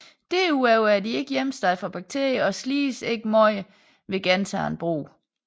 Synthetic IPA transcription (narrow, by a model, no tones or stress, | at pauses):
d̥e̝uɛʊæɐd̥ie̝ɡ̥əjem̰sd̥ɑ̈ɪfʁɑ̈b̥ɑ̈ɡ̥̚t͡sʰe̝ɐ̰jəɒ̽sliːse̝ɡ̥əmɒ̽ɪ | ʋe̝ɡ̥ænt͡sʰɑ̰̈ːenb̥ʁo̰ː